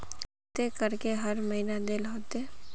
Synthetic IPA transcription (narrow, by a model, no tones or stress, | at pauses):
t̪ekəɾkeɦɐɾməɦinad̪eːlɦoːt̪eː